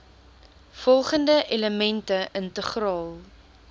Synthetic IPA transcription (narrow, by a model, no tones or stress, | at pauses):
fɔlˠχəndəʔeləmɛntəʔəntəχrɑːlˠ